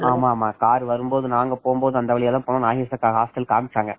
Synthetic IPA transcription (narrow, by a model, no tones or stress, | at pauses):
aːmaːmaːkaːɾʋɐɾɯmboːðɯnaːŋɡɐpoːmboːðɯɐnd̪ɐʋɐɭɪjɛlːãːpoːnõnaːɦɪsɐkːaːɣɐɦaːsʈɐlkaːmɪʈːaːŋɡɐ